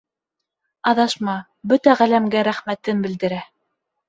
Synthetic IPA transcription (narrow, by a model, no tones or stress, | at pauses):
ɑðɑʃmɑ | bɵt̪æʁælæmɡæɾæχmæt̪ɘnbɘ̆ld̪ɘ̆ɾæ